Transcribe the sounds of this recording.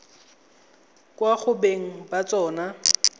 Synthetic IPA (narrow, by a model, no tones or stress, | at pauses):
kʼwaχʊbeŋ̩bat͡sʼɔːna